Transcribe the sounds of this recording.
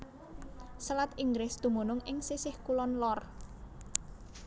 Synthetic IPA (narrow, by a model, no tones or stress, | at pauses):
səlat̪iŋɡɾɪsd̪̥ṳmonʊŋɪŋsisɪhkulɔnlɔr